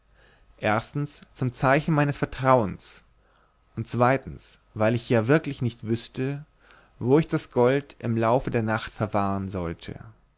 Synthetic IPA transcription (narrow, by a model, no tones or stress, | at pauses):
ʔeːɐstn̩st͡sʊmt͡saɪçn̩maɪnəsfɛɐtʁ̥aʊəns | ʔʊntt͡sv̥aɪtn̩s | vaɪlɪçjaːvɪɐklɪçnɪçtv̥ʏstə | voːɪçd̥asɡ̥ɔltʔɪmlaʊfədeːɐnaχtfɛɐvaːʁənzɔltʰə̰